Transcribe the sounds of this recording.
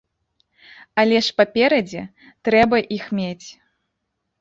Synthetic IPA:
ɐlʲɛʂpapʲɛɾɐd͡zʲɛ | t̪ɾɛbɐʔixmʲet͡sʲ

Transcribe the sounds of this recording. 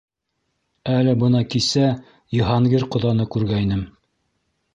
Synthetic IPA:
ælɘbɤ̆nɑkisæ | jɤ̆ɦɑɴɡɘɾqŏðɑnɤkʉɾɡæinɘm

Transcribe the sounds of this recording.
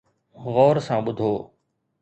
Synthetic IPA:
ɣɔːɾsãːɓʊd̪ʱoː

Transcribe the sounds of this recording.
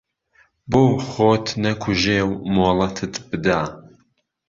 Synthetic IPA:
boːχoːt̪ʰnɐkʰuʒeːwmoːlˠɐt̪ʰɨt̪bɨd̪aː

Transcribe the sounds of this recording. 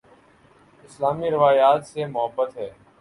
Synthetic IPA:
ɪslaːmiɾɪʋaːjaːt̪semʊɦəbːət̪ɦɛː

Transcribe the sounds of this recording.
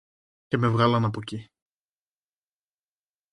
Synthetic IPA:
ceme̞vɣɐlɐnɐpoci

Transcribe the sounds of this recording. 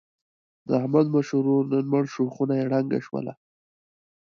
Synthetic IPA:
d̪əahmad̪maʃuɾoɾnənməɽʃoxunajeɽaŋɡa̰ʃwə̰la̰

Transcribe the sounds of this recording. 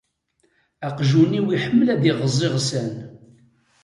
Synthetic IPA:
æqʒuniwiħəmːəlæðiʁəzˤːeʁsən

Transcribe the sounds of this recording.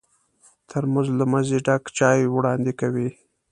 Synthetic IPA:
t̪ʰəɾmanzlamazeɖakt͡ʃɑjwɽɑnd̪ekawi

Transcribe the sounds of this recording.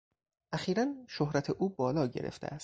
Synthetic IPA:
ʔæxiːɾænʃohɾæt̪ʰeʔuːbɒːlɒːɟe̞̰ɾḛft̪eʔæst̪̚

